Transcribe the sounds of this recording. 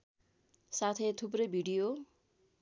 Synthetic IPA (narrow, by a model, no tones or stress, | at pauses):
sat̪ʰet̪ʰup̬rʌjbʱiɽijo